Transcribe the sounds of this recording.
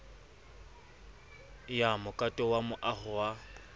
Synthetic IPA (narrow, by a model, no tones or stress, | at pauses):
jamʊkʼatʼɔwamʊʔaχʊwa